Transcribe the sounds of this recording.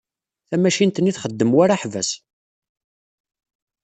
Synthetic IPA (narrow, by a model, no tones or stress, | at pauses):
θæmæʃint̪ənːiθχəd̪ːəmwaɾaħvæ̰s